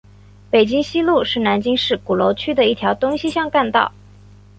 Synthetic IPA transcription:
pe˨˩ɪt͡ɕi˥ŋɕi˥lu˥˧ʂɻ̩˥˩na˧˥nt͡ɕi˥ŋʂɻ̩˥˩ku˨˩lo˧˥ʊt͡ɕʰy˥d̪ə˨i˥˩t̪ʰjɑ˧˥ʊt̪ʊ˥ŋɕi˥ɕjɑ˥˧ŋka˥˧nt̪ɑ̰˥˩ʊ

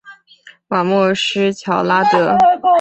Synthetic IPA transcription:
ma˨˩mɔ˥˩ʂɻ̩˥t͡ɕʰjɑ˧˥ʊla˥t̪ɤ˧˥

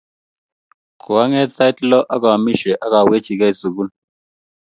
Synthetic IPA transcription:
kʰu˨a˦ŋɛ˦t͡sa˦i˦tlɔ˦ʔa˦k̬a˨mi˦ʃɛ˨ʔa˦ka˨we̥˦t͡ʃi˨ka˦i˨su˨ku˦l

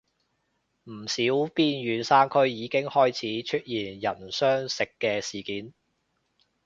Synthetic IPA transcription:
m̩˨˩siː˨˥wpiː˧njyː˨˧nsaː˥nkʰɵ˥ɥjiː˨˧kɪ˥ŋhɔː˥jt͡sʰiː˨˥t͡ʃʰɵ˥t̚jiː˨˩njɐ˨˩nsœː˥ŋsɪ˨kːɛː˧siː˨˩kiː˨˥n

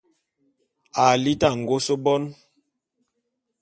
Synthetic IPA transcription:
a˨li˦ta˦˨ŋ̩˨ɡo˦so˦bɔ˦n

